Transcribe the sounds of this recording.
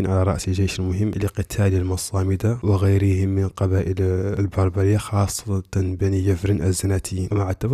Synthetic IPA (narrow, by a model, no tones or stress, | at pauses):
inʕalaɾˤɑ̰ʔsəlʒeːʃəlmʊɦəmːliqɨt̪ʰalilmɑsˤɑːməd̪awəɣajɾəhɪmːənlqɑbaːʔəllbɑɾˤbɑɾɪjːaxɑsˤːɑt̪ɑnbænijæfɾənʔæzːanæt̪ɪjinmaʕat̪ːab